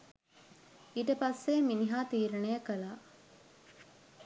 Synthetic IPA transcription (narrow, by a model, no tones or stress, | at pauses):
iʈɐpɐsʋeːminiɦaːt̪iːɾɐnejɐkɐlaː